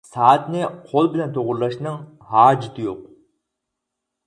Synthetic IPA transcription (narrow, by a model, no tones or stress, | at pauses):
sɑːt̪nɪqʰolˠbɪlɛnt̪ʰoʁʊɾlˠɑʃnɨŋ | hɑːd͡ʒit̪ʰɨjoq̚